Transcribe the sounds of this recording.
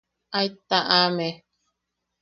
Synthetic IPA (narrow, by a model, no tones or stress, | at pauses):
ajt̪aʔame